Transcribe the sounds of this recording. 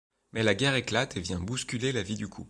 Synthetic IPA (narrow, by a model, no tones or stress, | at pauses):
mɛlaɡʲɛʁeklat̪ʰevjɛ̃buskʲylelavid̪ykʰṵp